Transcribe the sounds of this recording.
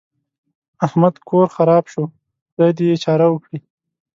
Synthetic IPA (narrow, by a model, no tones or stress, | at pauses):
ahmad̪kʰoɾxaɾɑbʃo | d̪̥ajd̪eeːt͡ʃɑɾawəkɽi